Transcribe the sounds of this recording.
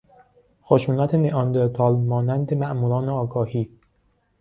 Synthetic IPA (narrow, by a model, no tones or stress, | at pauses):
xoʃuːnæt̪ʰeneʔɒːnd̪eɾt̪ʰɒːlmɒːnænd̪e̞mæʔmuːɾɒːneɒːɡɒːhiː